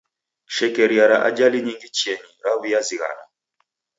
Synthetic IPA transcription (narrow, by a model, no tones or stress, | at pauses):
ʃɛkɛɾiaɾaʔa̰d͡ʒaliɲiŋɡit͡ʃiɛɲiɾaβujaziɣa̰na̰